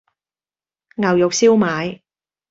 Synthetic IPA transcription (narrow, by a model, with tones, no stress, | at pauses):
ŋɐ˨˩wjʊ˨k̚siː˥wmaː˨˥j